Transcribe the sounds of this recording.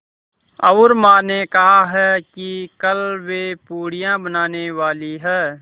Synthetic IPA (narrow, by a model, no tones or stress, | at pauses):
ɐɾmaːnekɐɦaɦɛːkikəlwepuːɽijãbənaːneʋaːliɦɛː